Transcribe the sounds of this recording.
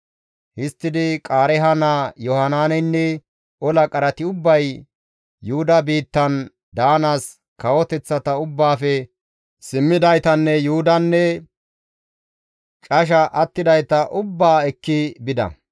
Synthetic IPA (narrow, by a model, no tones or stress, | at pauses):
hɪst̪ːɪd̪ɪkʼaːɾɛɦɐnaːjɔhɐnaːnɛnːɛ | ɔlɐkʼɐɾɐt̪ɪʊbːɐj | juhʊd̪ɐbiːt̪ːɐn | d̪aːnaːs | kɐwɔt̪ɛt͡sːɐt̪ɐʊbːaːfɛ | sɪmːɪd̪ɐjt̪ɐnːɛjuʊd̪ɐnːɛ | t͡ʃʼɐʃ̬ɐʔɐt̪ːɪd̪ɐjt̪ɐʔʊbːaːɛkːɪbɪd̪ɐ̰